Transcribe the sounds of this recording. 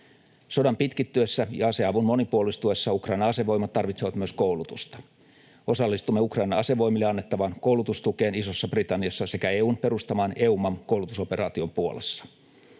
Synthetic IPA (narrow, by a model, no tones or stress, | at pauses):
so̞dɑmpit̪kit̪ːyøsːæjɑɑse̞ɑʋunmo̞nipuolist̪uesːɑukrɑinɑɑseʋo̞jmɑt̪t̪ːɑrʋit̪seʋɑt̪myøskoulut̪ust̪ɑ̥ | o̞sɑlːist̪umːeukrɑinɑɑse̞ʋo̞jmilːeɑnːet̪ːɑʋɑnkowlut̪ust̪uke̞ːniso̞sːɑb̥rit̪ɑnːiɑsːɑse̞kæeːuːmpe̞ɾust̪ɑmɑːneumɑmkowlut̪uso̞pe̞rɑːt̪io̞mpuolesːɑ̥